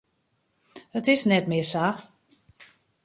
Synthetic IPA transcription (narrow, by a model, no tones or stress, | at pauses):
ətɪsnɛtmɪsa